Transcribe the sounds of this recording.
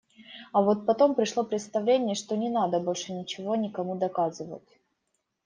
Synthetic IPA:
ɐvo̞t̪̚pɐt̪o̞mpɾʲɪʂlˠo̞pɾʲɪt̪st̪ɐvlʲenʲɪjəʂt̪onʲɪnad̪əbo̞lʲʂɨnʲɪt͡ɕɪvo̞nʲɪkɐmud̪ɐkazɨvə̰tʲ

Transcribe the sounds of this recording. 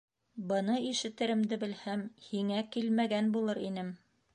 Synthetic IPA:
bɤ̆nɤiʃɘ̆t̪ɘ̆ɾɘ̆md̪ɘbɘ̆lhæmhiŋækilmæɡænbulˠɤɾinɘm

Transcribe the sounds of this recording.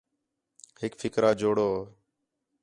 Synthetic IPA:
hɪkfʰɪkɾaːd͡ʒoːɽoː

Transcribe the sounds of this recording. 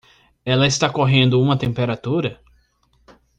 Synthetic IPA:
ɛlɐɪst̪akoɦẽnd̪ʊũmɐt̪ẽmpeɾat̪uɾɐ

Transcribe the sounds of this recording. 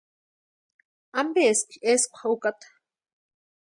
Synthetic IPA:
ambeskeskʷχukat̪

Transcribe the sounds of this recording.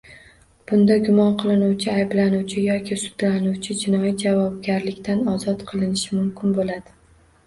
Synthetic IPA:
b̥ʊnd̪aɡʲʊmɒnqʰɨlˠɪnuwt͡ʃʰɪajblanuwt͡ʃʰɪjɒkʲʰɪsʊ̥d̪lanuwt͡ʃʰɪd͡ʒɪnɒjid͡ʒavɒb̚ɡʲaɾlɪkʲt̪ʰanɒzɒt̪qʰɨlˠɪnɪʃɪmʊmkʲɪnbolad̪ɪ

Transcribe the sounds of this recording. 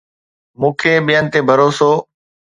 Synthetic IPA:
mũːkʰeːɓijənɪt̪eːbʱəɾoːsoː

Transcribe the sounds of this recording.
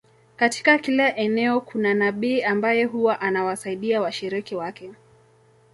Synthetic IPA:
kati̥kakilaʔɛnɛɔkunanaɓiːambajɛɦuwaʔanawasaiɗiawaʃiɾikiwakɛ

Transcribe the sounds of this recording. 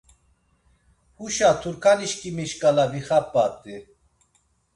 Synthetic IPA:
huʃat̪ʰuɾkʰaniʃkʰimiʃkʼalaviχapːat̪ʼi

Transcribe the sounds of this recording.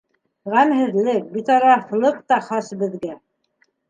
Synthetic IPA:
ʁæmɦɘ̆ðlɘk̚bit̪ɑɾɑθlˠɤq̚t̪ɑχɑsbɘ̆ðɡæ

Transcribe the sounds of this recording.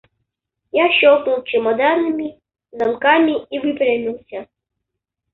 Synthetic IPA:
jaɕɔwknuwt͡ʃɨmad̪anɨmʲi | zamkamʲiivɨpɾʲamʲiwsʲɐ

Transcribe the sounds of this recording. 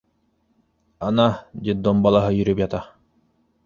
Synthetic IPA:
anad̪ʲid̪ɔmbalˠaɦɯjyɾybjat̪a

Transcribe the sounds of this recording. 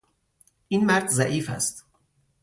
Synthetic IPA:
ʔiːnmæɾd̪zæʔiːfæ̰st̪

